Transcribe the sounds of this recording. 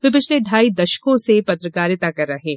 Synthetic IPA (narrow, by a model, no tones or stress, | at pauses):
ʋep̬ɪt͡ʃʰleɖʱaːid̪ɐʃkõsepɐt̪ɾəkaːɾɪt̪akɐɾːɐɦẽː